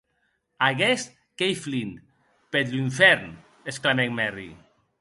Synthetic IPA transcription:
aɣest̪ | kejflin | pet̪liɱfɛɾn | esklamɛŋmɛrḭ

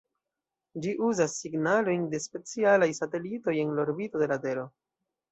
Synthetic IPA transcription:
d͡ʒiʔuzasːiɡnalo̞jnde̞spe̞t͡sialajsate̞lito̞je̞nlaoɾbito̞de̞lade̞lo̞

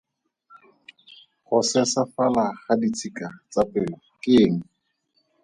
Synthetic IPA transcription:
χʊsɛsafalaχadit͡sʰikat͡sapʼɪːlɔkʼɪːŋ̩

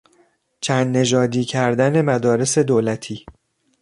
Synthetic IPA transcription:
t͡ʃʰænd̪ne̞ʒɒːd̪iːcʰæɾd̪æne̞mæd̪ɒːɾe̞se̞d̪oːlæt̪ʰiː

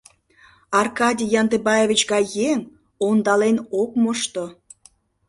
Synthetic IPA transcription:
ɑrkɑdʲijɑnd̪ebɑjevʲit͡ɕɣɑjeŋ | ond̪ɑlenokmoʃt̪o

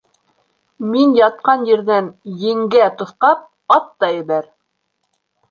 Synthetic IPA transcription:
minjɑt̪̚qɑnjiɾðænjɘ̆ŋɡæt̪ŏθqɑp̚ | ɑt̪ːɑɘ̆βæɾ

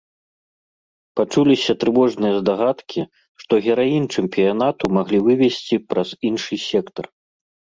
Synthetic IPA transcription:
pat͡ʂulʲisʲɐt̪ɾɨvɔʐnɨjɐzd̪aɣat̪kʲi | ʂt̪ɔɣʲɛɾajint͡ʂɨmpʲijanat̪umaɣlʲivɨvʲɛsʲt͡sʲipɾɐz̥inʂɨsʲɛkt̪ɐr

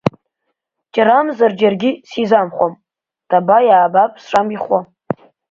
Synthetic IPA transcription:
d͡ʒʼaɾamzard͡ʒarɡʲisizamχʷom | tʰʼabajaːbapʼsʂamiχʷa

